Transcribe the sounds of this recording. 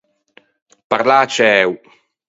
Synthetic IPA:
paɾlaːt͡ʃɛw

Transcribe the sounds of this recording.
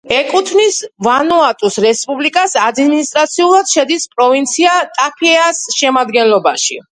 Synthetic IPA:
ɛkʼut̪ʰvnisvanuat̪ʼusɾɛspʼublikʼasad̪minist̪ʼɾat̪sʰiulˠad̪̥ʃɛd̪ispʼɾɔvint̪sʰiat̪ʼakʰɛasʃɛmad̪ɡɛnlˠɔbaʃḭ

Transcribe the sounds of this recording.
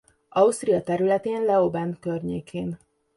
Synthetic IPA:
ʔɒust̪rijɒt̪ɛɾylɛt̪eːnlɛobɛnkørɲeːkʰeːn

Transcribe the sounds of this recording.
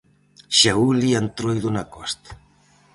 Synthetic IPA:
ʃauliant̪ɾojðunakɔst̪

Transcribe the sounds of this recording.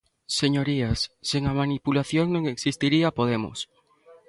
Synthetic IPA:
seɲoɾiasːeŋamanipulaθjoŋnõŋeksist̪iɾiapoðemʊ̰s

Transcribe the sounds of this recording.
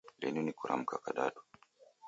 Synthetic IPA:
lɛ̰nunikuɾʔa̰m̩kakaɗaɗu̥

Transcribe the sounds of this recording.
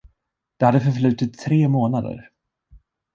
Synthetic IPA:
d̪̥ɛhad̪ːəfœɾflʉ̟ːt̪ɪt̪ʰːɾeːmoːnad̪ə̰ɾ

